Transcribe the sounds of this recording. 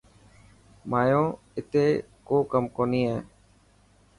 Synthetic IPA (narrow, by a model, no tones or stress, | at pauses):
maːjõː | ɪt̪eː | koːkəmkoːniːeː